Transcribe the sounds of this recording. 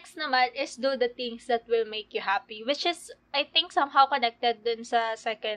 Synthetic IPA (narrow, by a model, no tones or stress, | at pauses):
ksnɐmanɪsd̪ud̪ɐt̪ɪ̃ŋsd̪ɐt̪̚wɪlmejkjʊɦapiwɪt͡ʃɪsɐjt̪ɪ̃ŋksɐmɦawkonɛk̚t̪ɛd̪̚ːʊnsɐsɛkɛ̃n̚